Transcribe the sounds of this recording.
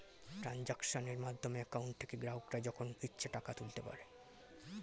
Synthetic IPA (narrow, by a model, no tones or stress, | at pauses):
ʈɾand͡ʑakʃoneɾmad̪ʱːomeakawɳʈ̚t̪ʰe̥keɡɾaɦokɾad͡ʑɔkʰonkitːɕʰeʈakat̪ult̪epa̰ɾe